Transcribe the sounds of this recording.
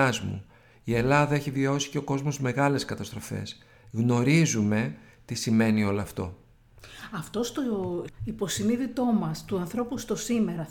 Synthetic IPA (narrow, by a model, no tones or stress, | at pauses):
ɐzmṵ | ie̞lɐðɐeçivio̞si̥ce̞oko̞zmozme̞ɣɐle̞skɐt̪ɐst̪ɾo̞fe̞̰s | ɣno̞ɾizume̞ | t̪isime̞nio̞loɐft̪o̞ | ɐft̪o̞st̪o̞ipo̞siniðit̪o̞mɐst̪uɐnθɾo̞pust̪o̞sime̞ɾɐ